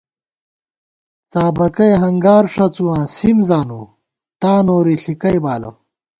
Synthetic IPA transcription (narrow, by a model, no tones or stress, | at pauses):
t͡saːbɐkɐjɦɐŋɡaːɾʂɐt͡suwãːsimzaːnu | t̪aːnoːɾiɬikɐjbaːlɐ̰